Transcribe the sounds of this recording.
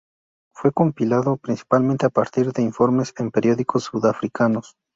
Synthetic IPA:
fwe̞ko̞mpilaðopɾinsi̥palment̪eapaɾt̪iɾðe̞iɱfo̞ɾme̞sempe̞ɾjo̞ðiko̞sːuðafɾikʰano̞s

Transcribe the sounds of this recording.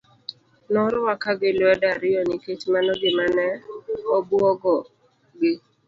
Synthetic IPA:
nɔɾɔwakaɡɪlwɛdaɾɪɔnɪketmanɔɡɪmanɛɔbuɔɡɔ | ɡɪ

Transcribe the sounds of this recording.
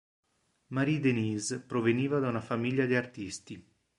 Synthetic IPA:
maɾid̪eniːzpɾoveniːvad̪aunafamiʎːad̪iart̪ist̪i

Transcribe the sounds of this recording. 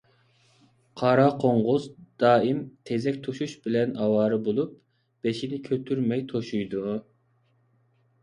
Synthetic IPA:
qʰɑɾɑqʰoɴʁʊzd̪̥ɑːimt̪ʰezɛkʲt̪ʰuʃuʃbɪlɛnɑwɑːɾɨbolˠup̚ | b̥eʃinɪkʲʰøt̪ʰyɾmɛjt̪ʰoʃujd̪u

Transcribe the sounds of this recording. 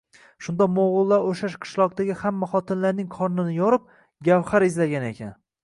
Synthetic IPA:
ʃʊnd̪amoʁʊlˠːaɾoʃaʃqʰɨ̥ʃlˠɒq̚d̪aɡʲɪhamːaχɒt̪ʰɪnlaɾnɪŋqʰɒɾnɪnɪjɒɾɪp̚ | ɡʲawχaɾɪzlaɡʲane̞kʲʰan

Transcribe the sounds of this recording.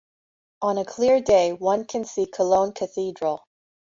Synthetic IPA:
ʔə̃nɨkʰl̥ɪɹdeɪwʌ̃nkʰɨ̃nsikʰəlõʊ̃nkʰɨθidɹl̩ˠ

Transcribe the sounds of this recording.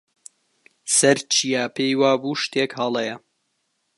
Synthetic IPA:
sɐɾt͡ʃʰijaːpʰejwaːbuːʃt̪eːkhɐlˠɛjɐ

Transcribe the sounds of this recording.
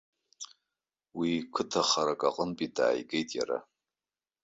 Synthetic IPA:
wikʰɨtʰaχaɾakʼaqʼənpʼida̰ːjɡe̞jtʼja̰ɾa̰

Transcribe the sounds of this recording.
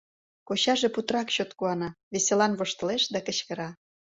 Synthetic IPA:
koɕɑʒeput̪rɑkɕot̪kuɑnɑβeselɑnβoʃt̪ɤ̆leʃd̪ɑkə̆t͡ɕkə̆ɾɑ

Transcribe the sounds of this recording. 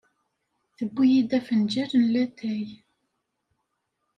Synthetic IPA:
θəbːijid̪æfənd͡ʒæɾənlæt̪ːæj

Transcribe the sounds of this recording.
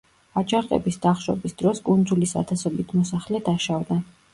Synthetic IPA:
at͡ʃʰʼaɾqʼɛ̰bisd̪aχʃɔ̰bisd̪̥ɾɔskʼund̪zulisa̰t̪ʰasɔbit̪ʰmɔsaχlɛd̪aʃavd̪a

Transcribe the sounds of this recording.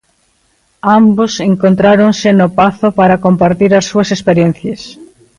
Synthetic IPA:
ambʊseŋkont̪ɾaɾoŋsɪnʊpaθʊpaɾɐkompaɾt̪iɾɐsːuɐsespeɾjen̟θjɐs

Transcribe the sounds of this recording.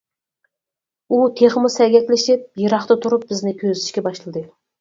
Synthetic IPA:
ut̪ʰeχɨmʊsæɡʲɛkʲlɪʃɪp̚jɨɾɑχt̪ɑt̪ʰʊɾʊp̚bɪznɪkʲʰøzlɪʃkʲɛbɑʃlˠɨd̪ɨ

